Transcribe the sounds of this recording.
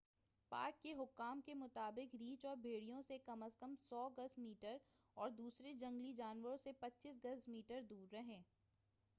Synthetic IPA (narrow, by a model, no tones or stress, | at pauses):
pa̰ːɾkːeɦʊkːaːmkemʊt̪aːbɪkɾiːt͡ʃɔːɾbʱeːɽijõsekɐməskəmsɔːɡɐsmiːʈəɾ | ɔːɾd̪uːsɾed͡ʒɐ̃ŋɡlid͡ʒaːnʋəɾõsepɐtːʃisɡɐsmiːʈəɾd̪uːɾːɐɦẽː